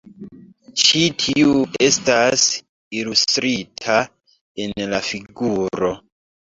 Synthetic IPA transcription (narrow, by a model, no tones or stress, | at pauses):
t͡ʃitʰiue̞stas | ilustɾitʰa | enlafiɡuɾo̞